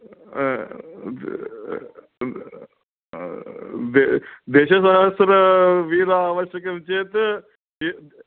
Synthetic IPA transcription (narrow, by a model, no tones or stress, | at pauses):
d̪ed̪eːʃɐsɐɦɐsɾɐʋid̪aaːʋɐʃjɐkɐmt͡ʃeːt̪ | i